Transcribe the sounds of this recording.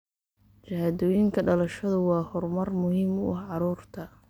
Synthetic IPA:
t͡ʃɐhad̪ɔːjɪŋkʰɐɖɐlɐʃɐðʊwɑːhɔrmɐrmʊhiːmʊ̰ʔɐhʕɑɾuːrt̪ʰɐ

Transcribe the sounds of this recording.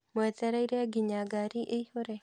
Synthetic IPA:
moɛt̪ɛɾaiɾeaɡiɲaɡaɾiʔeihoɾe

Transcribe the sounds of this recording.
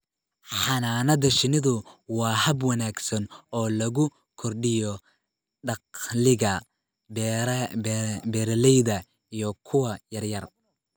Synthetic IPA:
ħɑnaːnɐðɐʃɪnɪðʊwɑːhɐbwɐnaːɡsɐnɔːlɐɣʊ | kʰɔrɖɪjɔ | ɖɑqlɪɣɐ | bɛɾlɛjðɐ | ijɔkʰʊwɐjɐrjɐr

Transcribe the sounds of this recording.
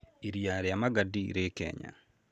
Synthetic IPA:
iɾjaɾeamaɡadiɾekɛ̰ɲa̰

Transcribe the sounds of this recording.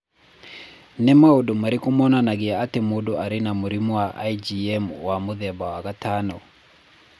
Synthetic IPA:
nɛmaodomaɾikomɔnanaɡɪaatemodoʔaɾɪnamuɾimoaʔa̰id͡ʒiɛmwamoðɛbawakatanɔ

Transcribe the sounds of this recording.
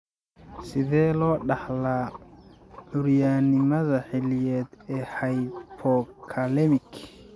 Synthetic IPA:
sɪðɛːlɔːɖɑħlaː | ʕʊɾjaːnɪmɐðɐħɪlɪjɛːd̪ɛːhɐjpʰɔkʰɐlɛmɪkʰ

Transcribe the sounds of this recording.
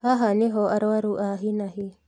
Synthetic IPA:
haɦaniɦoʔaɾɔaɾuʔaɦinaɦi

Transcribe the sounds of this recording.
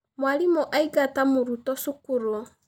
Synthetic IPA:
mwalimuʔaiɡatamuɾutɔsukuɾu

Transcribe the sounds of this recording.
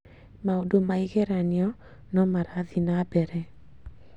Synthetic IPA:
maodomaiɣɛɾanjɔ | nɔmaɾaðinabɛɾɛ

